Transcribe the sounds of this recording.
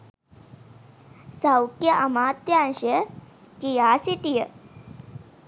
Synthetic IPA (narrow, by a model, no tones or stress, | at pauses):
sawkjəʔamaːt̪janɕə | kijasit̪ijə